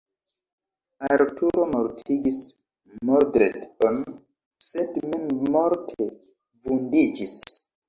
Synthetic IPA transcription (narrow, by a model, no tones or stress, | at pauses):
aɾtʰuɾomoɾtʰiɡis | moɾdɾeton | sedmenmɔɾtʰe | vundid͡ʒis